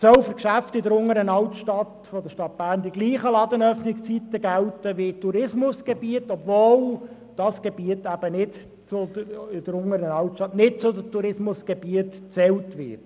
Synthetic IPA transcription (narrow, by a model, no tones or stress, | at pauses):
sœwfʏɾkʃæftɪdəɾʊŋəɾənɑltʃtɑt | fɔdəʃtɑt̪̚b̥æːɾndiɡliːχəlɑd̪ənœfnɪkst͡sit̪əɡæwtəʋɪɪtuɾɪsmʊsɡ̥ebiətɔbvoːl | d̥ɑsɡ̥eb̥iətæb̥ənɪd | t͡sʊəɪdəɾʊŋəɾənɑltʃtɑt̪nɪt̚t͡sʊdətuɾɪsmʊsɡ̥ebiətt͡sɛwtʋɪ̰t